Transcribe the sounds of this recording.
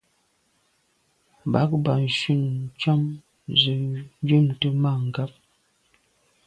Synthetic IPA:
ba˨˦k̚ba˨n̩˨ʃi˦˨n˨t͡ʃɔ˦m | zə˨˦d͡ʒu˦˨mtə˦ma˦˨ŋ̩˨ɡa˦p̚

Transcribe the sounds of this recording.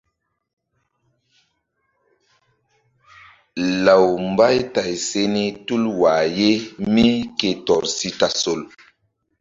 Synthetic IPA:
la˨wmba˦jta˨jse˦ni˦tu˦lwa˨je˦mi˦ke˨tɔ˨ɾsi˦ta˨so˨l

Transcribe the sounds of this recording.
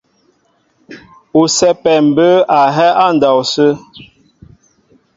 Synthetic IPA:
u˨sɛ˦pɛ˨m̩˨bə˦a˨ɦɛ˦ʔa˦n̩˨da˨wsə˦

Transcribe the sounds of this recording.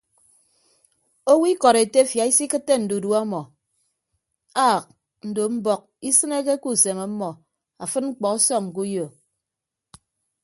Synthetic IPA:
o˦wi˦kɔ˨ɾe˨te˦fja˨i˦si˦kɨ˦tːe˦n̩˨du˨du˦a˦mɔ˨ | a˦˨k̚ | n̩˨do˨m̩˦bɔ˦k̚i˦sɨ˦ne˦ke˦ku˦˨se˨ma˨˦mːɔ˨ | a˨fɨ˦ŋ͡m̩˦k͡pɔ˨ka˦sɔ˦ŋ̚ŋ̩˨ku˦jo˨

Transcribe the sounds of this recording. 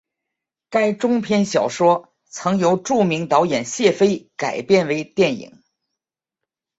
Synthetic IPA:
ka˥ɪʈ͡ʂʊ˥ŋpʰjɛ˥nɕjɑ˨˩ʊʂwɔ˥ | t͡sʰɤ˧˥ŋjo˧˥ʊʈ͡ʂu˥˩mi˧˥ŋt̪ɑ˧˥ʊjɛ˨˩nɕjɛ˥˩fe˥ɪka˨˩ɪpjɛ˥˩nwe˧˥ɪt̪jɛ˥˩nḭ˨˩˦ŋ

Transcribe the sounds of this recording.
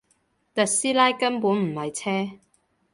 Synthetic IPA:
t̪ɐ˨t̚siː˥laː˥jkɐ˥npuː˨˥nm̩˨˩hɐ˨jt͡sʰɛː˥

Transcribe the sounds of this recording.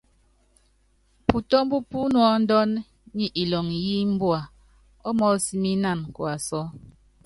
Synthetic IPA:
pu˨tɔ˦m˦bu˦pu˦nwɔ˦n̩˦dɔ˦n | ɲi˦ʔi˨lɔ˨ŋji˦m̩˦bwa˨ | ɔ˦mɔ˦si˦mi˦na˦˨n˨kwa˨sɔ˦

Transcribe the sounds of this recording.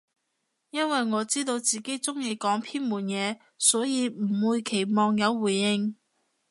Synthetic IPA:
jɐ˥nwɐ˨jŋɔː˨˧t͡siː˥t̪o˧wt͡siː˨˩ke˨˥jt͡sʊ˥ŋji˧kɔː˨˥ŋpʰiː˥nmuː˨˩njɛː˨˧ | sɔː˨˥jiː˨˧m̩˨˩wuː˨˧jkʰe˨˩jmɔː˨˧ŋjɐ˨˧wːuː˨˩jːɪ˧ŋ

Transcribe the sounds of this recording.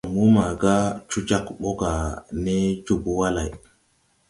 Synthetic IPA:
mu˦ma˨ɡa˦t͡ʃu˦d͡ʒa˦kɓo˦ɡa˨ne˦t͡ʃu˦bu˦wa˦la˨j

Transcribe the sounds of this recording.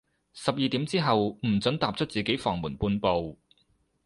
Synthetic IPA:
sɐ˨p̚jiː˧t̪iː˨˥mt͡siː˥ɦɐ˨wm̩˨˩t͡sɵ˨˥nt̪aː˨p̚t͡ʃʰɵ˥t̚t͡siː˨ke˨˥jfɔː˨˩ŋmuː˨˩npuː˧npo˧w

